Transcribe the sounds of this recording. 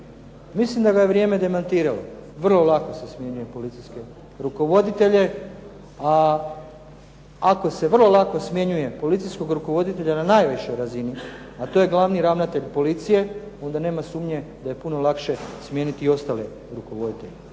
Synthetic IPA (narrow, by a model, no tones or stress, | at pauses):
mislimd̪aɡaje̞ʋɾje̞me̞d̪e̞mant̪iːɾaloʋr̩lˠo̞lˠako̞se̞smje̞ɲuje̞po̞lit̪siske̞ | ɾuko̞ʋo̞d̪it̪e̞ʎe̞ | a | ako̞se̞ʋrlˠo̞lˠako̞smje̞ɲuje̞po̞lit̪sijsko̞ɡɾuko̞ʋo̞d̪it̪e̞ʎananajʋiʃo̞jɾazini | at̪o̞je̞ɡlˠaʋniɾaʋnat̪e̞ʎpo̞lit̪sije̞o̞nd̪ane̞ːmasuːmɲe̞d̪aje̞puno̞lakʃe̞smjenit̪iio̞st̪aːle̞ | ɾukoʋo̞d̪it̪ḛʎe